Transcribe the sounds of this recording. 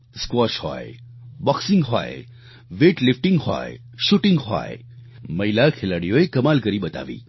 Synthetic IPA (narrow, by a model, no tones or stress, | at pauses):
skwɔʃhɔ̰e | bɔksɪ̃ŋɡɦɔ̰ḛ | ʋeʈlifʈĩŋɡɦɔ̰ḛ | ʃuʈɪ̃ŋɡɦɔ̰ḛ | məilakʰelaɽijoekəmalkəɾibət̪a̰ːʋḭː